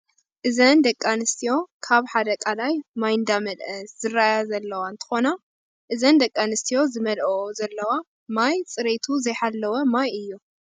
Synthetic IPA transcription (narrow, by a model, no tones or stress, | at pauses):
ʔɨzɐnd̪ɐkʼːanɨst̪ʰijo̞kʰaβħad̪ɐkʼalajmajnd̪amɐd̪ʔɐszɨrːajazɐlːɐwant̪ʰɨ̥xo̞na | ʔɨzɐnd̪ɐkʼːanɨst̪ʰijo̞zɨmɐlʔozɐlːɐwa | majt͡sʼɨɾet̪ʰuzɐjħalːɐwɐmajɨjːu